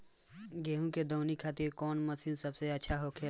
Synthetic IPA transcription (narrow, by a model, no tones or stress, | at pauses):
ɡeːɦũked̪oːnikʰaːt̪ɪɾkɔːnməsiũsəbseətːʃʰaɦokʰe